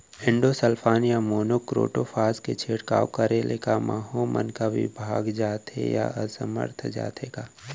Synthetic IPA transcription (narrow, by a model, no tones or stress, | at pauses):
ɪ̃ɳɖosəlpʰaːnjamoːnokɾo̰ːʈofʰaːsket͡ʃʰeːɽka̰ːwkəɾelʔekamaːɦomə̰nkaʋɪ̰bʱaːɡd͡ʒaːt̪ḛja̰əsəmə̰ɾt̪ʰd͡ʒa̰ːt̪eɡaː